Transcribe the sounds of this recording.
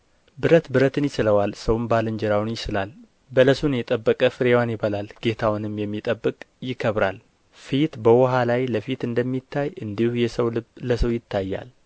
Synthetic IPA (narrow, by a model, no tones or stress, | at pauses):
bɨɾət̪bɨɾət̪ʰɨnjɪt͡ʃɪləwalsəwnbalɨnd͡ʒɛɾawnjɪt͡ʃɪlal | bələsunjɛt̪ʼəbːəkʼəfɨɾewanjɪβəlalɡ̥et̪ʰawnɨmjɛmːit̪ʼəbːɨkʼjɪkʰːəβɾal | fit̪bəwɔɦalajləfit̪ɨnd̪əmːit̪ʰːajɨnd̪ihujɛsəwlɨləsəwjɪt̪ʰːajːa̰l